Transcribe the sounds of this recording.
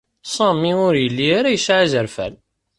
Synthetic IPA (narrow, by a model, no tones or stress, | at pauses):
sˤɑmːiʊɾjəlːiaɾajəsʕazəɾfæ̰l